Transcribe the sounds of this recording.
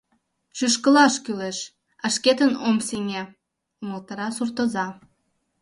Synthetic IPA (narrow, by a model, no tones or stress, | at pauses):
ʃyʃkə̆lɑʃkyleʃ | æʃket̪ənomseŋe | uməlt̪ə̆ɾɑsurt̪ə̆zɑ